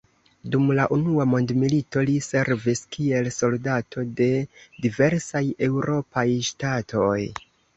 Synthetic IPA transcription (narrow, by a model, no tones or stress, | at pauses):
dumlaʔunuamo̞ndmilito̞lise̞ɾviskʰie̞lso̞ldatʰo̞de̞dive̞ɾsaje̞wɾʔo̞pajʃtatʰo̞j